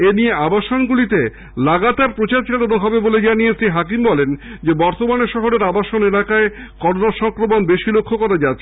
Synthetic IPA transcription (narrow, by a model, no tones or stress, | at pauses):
enieabaʃonɡulit̪e | laɡat̪aɾpɾot͡ɕaɾt͡ɕelonoɦɔbeboled͡ʑanijesɾiɦakimbɔlend͡ʑebɔɾt̪omaneʃɔɦoɾeɾabaʃonelakaekɔɾonaɾʃɔŋkɾomonbeʃilokʰːokɔɾad͡ʑatːɕʰe